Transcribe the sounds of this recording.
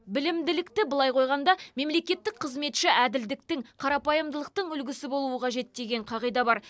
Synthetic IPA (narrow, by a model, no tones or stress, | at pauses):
bɪlɪmd̪ɪlɪkt̪ɪbʊlˠɑjqʰo̞jʁɑnd̪ɑme̞mle̞kʲe̞t̪ːɪk̚qʰəzme̞t̪ʃɪʔæd̪ɪld̪ɪk̚t̪ɪŋqʰɑɾɑpɑjəmd̪əlˠəq̚t̪əɴʏlɡʲɪsɪbo̞lˠuəqʰɑʒe̞t̪̚d̪e̞ɡʲe̞ɴqʰɑʁijd̪ɑbɑɾ